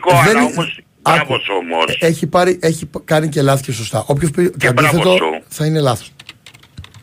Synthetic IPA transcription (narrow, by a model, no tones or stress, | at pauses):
ðen | ɐ | eçipɐɾiʔeçikɐnice̞lɐθce̞so̞st̪ɐ̰ʔo̞pçospitɐnd̪iθe̞t̪o̞θɐine̞lɐθos